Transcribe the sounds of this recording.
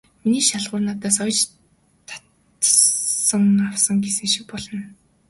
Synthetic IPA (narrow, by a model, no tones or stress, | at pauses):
miniːʃaɮʁʊːrnaːt̪aːsɔjt͡ɕ | t̪ʰḁt̪ | sə̆ŋawsə̆ŋɡesɘ̆ŋʃik̚pɔɮɞ̆n